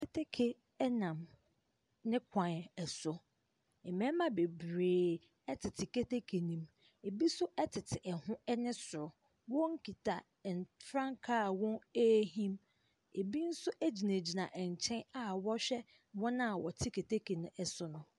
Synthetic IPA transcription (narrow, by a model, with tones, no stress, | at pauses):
kʰe˦tʰe˦kʰe˨ | ɛ˦nã˨m | nɪ̃˦kʷʰã˨n˨ɛ˨sʊ˨ | ɛ˨mɛ̃˦mã˦be˨bɾeː˨ | ɛ˦tʰɪ˨tʰɪ˨ke˦te˦kʰe˨nĩ˨m | e˨bi˦sʊ˦ʔɛ˦tʰɪ˨tʰɪ˨ʔɛ˨hʊ̃˦ɛ˦nɪ̃˦sʊ˨ɾʊ˨ | wɔ̃˦ŋ̩˦kʰi˨tʰa˨ | n˨fɾã˦ŋkʰa˦˨wɔ̃˦e˦ɦĩ˦m | e˨bi˦n̩˦sʊ˦ʔæ˦d͡ʑi˨nẽ˨d͡ʑi˨nã˨ʔɛ˨ɲ˨t͡ɕʰɛ̃˦na˨wɔ˦ɕᶣɛ˦ | wɔ̃˦nã˦˨wɔ˨tʰɪ˦kʰe˨tʰe˦kʰe˨nʊ̃˦ɛ˨sʊ˦nʊ̃˦